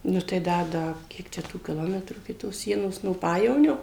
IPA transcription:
ˈnʊ tɐɪ ˈdɐ ˈdɐ ˈkʲiɛk t͡ʃʲɛ tuː kʲɪˈlˠoːmʲɛtruː ɪkʲɪ toːs ˈsʲiɛnoːs noː ˈpɑːjɛʋoːnʲoː

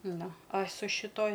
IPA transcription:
ˈnʊ ɐ sʊ ʃʲɪˈtoːj

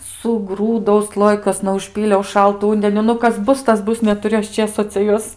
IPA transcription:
sʊˈɡruːdɐʊ ˈslˠoːjɪkuɔsnɐ ʊʃʲˈpʲiːlʲɛʊ ˈʃɐlˠtʊ ˈʊnʲdʲɛnʲʊ ˈnʊ ˈkɐs ˈbʊs ˈtɐs ˈbʊs nʲɛtʊˈrʲʊ ˈɐʃ ˈt͡ʃʲeːsoː t͡sʲɛ ˈjuɔs

